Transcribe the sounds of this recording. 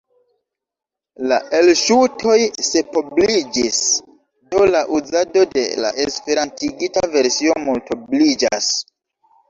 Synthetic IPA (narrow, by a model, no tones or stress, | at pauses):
laʔe̞lʃutʰo̞jse̞poblid͡ʒis | do̞laʔuzado̞de̞̰la̰ʔespe̞ɾantiɡitave̞ɾsio̞multoblid͡ʒa̰s